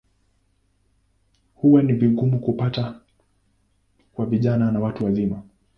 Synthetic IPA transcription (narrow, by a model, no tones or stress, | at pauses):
huwaniviɡumukupata | kwaviʄananawatuwazima